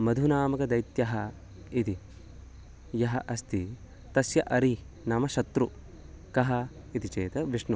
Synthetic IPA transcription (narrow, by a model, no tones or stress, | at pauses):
mɐd̪ʱunaːmɐkɐd̪ɐjt̪jɐɦɐ | it̪i | jɐɦɐ̰ʔɐst̪i | t̪ɐsjɐʔɐɾi | nɐmɐʃɐt̪ɾu | kɐɦɐ | it̪it͡ʃeːt̪ɐʋiʂɳu